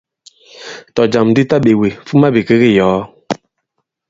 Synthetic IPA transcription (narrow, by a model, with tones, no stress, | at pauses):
tɔ˨d͡ʒa˨mdi˦ta˦ɓe˨wi˨fu˦ma˦bi˨ke˦ɣi˦jɔː˨˦